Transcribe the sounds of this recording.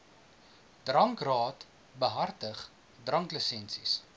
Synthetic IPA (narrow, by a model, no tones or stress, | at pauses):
d̥rɐŋkrɑːt | bəɦɐrtəχ | drɐŋkləsɛnsis